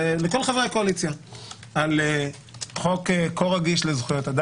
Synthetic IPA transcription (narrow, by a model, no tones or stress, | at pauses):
leko̞lχavʁakoalit͡sja | ale | χokekoʁaɡiʃlezχujot̪ad̪a